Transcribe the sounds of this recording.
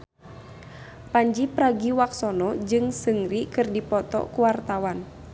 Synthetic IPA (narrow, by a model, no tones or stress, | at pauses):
paɲd͡ʒipɾaɡiwaksɔnɔd͡ʒɨŋsɨŋrikɨrdipɔt̪ɔ̰kuwart̪awan